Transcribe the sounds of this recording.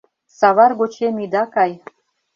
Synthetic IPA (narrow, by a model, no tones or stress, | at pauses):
sɑβɑrɡot͡ɕemid̪ɑkɑj